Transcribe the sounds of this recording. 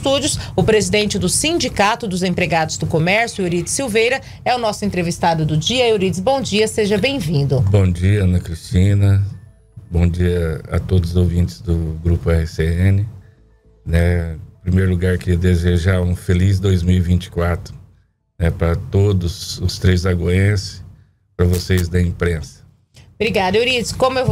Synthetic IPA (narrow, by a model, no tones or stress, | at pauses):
t̪ud͡ʒʊsʊpɾezid̪ẽnt͡ʃɪd̪ʊsĩd͡ʒikat̪ʊd̪ʊzẽpɾeɡad̪ʊzd̪ʊkomɛɾsjʊeɾit͡ʃ̪ɪ̥siwvejɾɐ | ɛʊnɔsʊẽnt̪ɾevist̪ad̪ʊd̪ʊd͡ʒiɐoɾid͡ʒɪzbõw̃d͡ʒiɐseʒɐbẽj̃vĩnd̪ʊbõw̃d͡ʒiɐɐ̃nɐkɾist͡ʃĩnɐ | bõd͡ʒiɐɐ̰t̪od̪ʊzzowvĩnt͡ʃɪ̥zd̪ʊɡɾupʊɛhɪseẽnɪ | nɛpɾimejɾluɡaɾkɪd̪ezeʒaũfeliz̬d̪ojzmiwivĩnt͡ʃɪ̥kwat̪ɾʊ | nɛpɾɐt̪od̪ʊzʊst̪ɾejzɐɡoẽsɪ̥ | pɾɐvosejzd̪ɐĩpɾẽsɐ̥ | bɾiɡad̪ɐoɾid͡ʒɪskõmʊew